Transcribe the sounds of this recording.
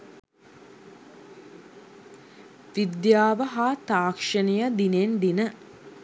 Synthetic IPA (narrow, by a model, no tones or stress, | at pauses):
ʋid̪jaːʋəɦaːt̪aːkʂənijəd̪inend̪inə